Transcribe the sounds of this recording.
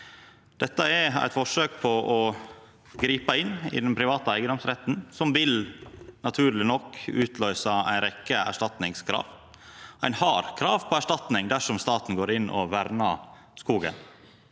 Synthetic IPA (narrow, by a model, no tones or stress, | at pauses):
d̪̥ɛt̪ːəæɾæ̰ɪt̪fɔʂøːk̚pʰɔʔɔ | ɡɾiːpəɪnːɪ̰d̪ɛnpʰɾɪʋɑːt̪əæɪɡəd̪ɔmsɾɛt̪ːn̩sɔmʋɪlnɑt̪ʰʉːɾlɪnɔkːʉːt̪ʰlœʏsɑæ̰ɪnɾɛkːəæ̰ʂʈɑt̪nɪŋskʰɾɑ̰ːʋ | æɪnhɑɾkʰɾɑːʋpʰɔæʂʈɑt̪nɪŋd̪æʂɔmst̪ɑːt̪n̩ɡoːɾɪnːʔɔ̰ʋæɾnɑ | skuːɡə̰n